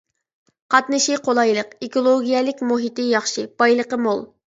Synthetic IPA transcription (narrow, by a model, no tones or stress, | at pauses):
qʰɑt̪nɨʃiqʰolˠɑjlˠəqekolˠoɡʲijɛlɪkʲmuɦit̪ɪjɑχʃɨb̥ɑjlˠəqəmolˠ